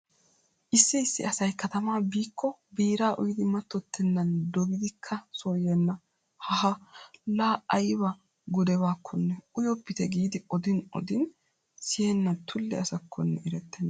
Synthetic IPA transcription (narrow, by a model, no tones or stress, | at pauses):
ʔɪsːɪɪsːɪ̰ɐsɐjkɐt̪ɐmaːbiːkʰːɔbiːɾaːʔʊjɪd̪ɪmɐt̪ːɔt̪ʰːɛnːɐnd̪ɔɡɪd̪ɪkʰːɐsoːjɛnːɐ | hɐhɐlaːɐjbɐ | ɡʊd̪ɛbaːkʰːɔnːɛʊjɔpːɪt̪ɛɡiːd̪ɪɔd̪ɪnɔ̰d̪ɪn | sɪjɛnːɐt̪ʰʊlːɛɐsɐkʰːɔnːɛʔɪɾɛt̪ːɛnːɐ